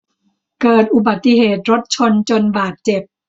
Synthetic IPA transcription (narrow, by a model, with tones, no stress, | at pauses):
kɤː˨˩t̪̚ʔu˨˩ba˨˩t̪ːi˧heː˨˩t̪̚ɾo˦˥t̪̚t͡ɕʰo˧nt͡ɕo˧nbaː˨˩t̪̚t͡ɕe˨˩p̚